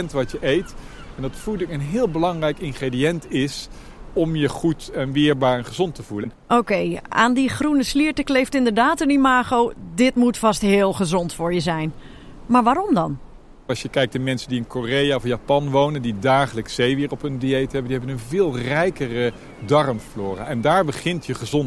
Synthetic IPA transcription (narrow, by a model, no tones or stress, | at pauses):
ɛntʋɑtjəʔejt | ɛndɑtfulˠdɪkənɦɪːlˠbəlɑŋrɛjkɪnχredijɛntɪs | ɔmjəχutɛnʋɪːɹbaːɹɛnχəzɔntəvulənʔowkeja̰ːndiχrunəsliəɹtəklejftɪndəɹdaːtənimaːχowdɪtmutfɑstɦɪːlˠχəzɔntfʊːɹjəzɛjn | maːɹʋaːɾɔmdɑn | ɑsjəkɛjk̚tamɛnsəndiɪnkorejaːɔfjapɑnʋownəndidaːχələksejʋɪːɹɔpəndiejtɦɛbəndiɦɛbənənvɪːlˠrɛjkərə | dɑrmflʊːra̰ɛndaːɹbəχɪntjəχəzɔn